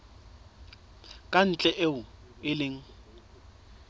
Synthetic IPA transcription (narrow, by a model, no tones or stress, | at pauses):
kʼan̩t͡ɬʼɛʔeʊ | ɪlɪŋ̩